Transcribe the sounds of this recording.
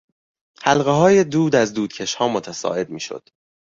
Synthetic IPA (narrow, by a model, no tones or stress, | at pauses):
hælɣeɦɒːje̞d̪uːd̪æzd̪uːd̪̥cʰeʃhɒːmot̪ʰæsɒ̰ːe̞d̪̚miːʃo̰d̪̥